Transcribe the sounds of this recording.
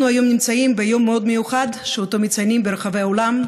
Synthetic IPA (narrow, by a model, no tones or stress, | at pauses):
nuajo̞mnimt͡saimbe̞jo̞mːeo̞d̪me̞juχad̪ʃeot̪o̞mit͡sajnimbeɾeχave̞jao̞lam